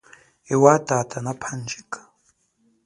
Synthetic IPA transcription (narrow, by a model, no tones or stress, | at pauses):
ewatʼatʼanapʰand͡ʒikʼḁ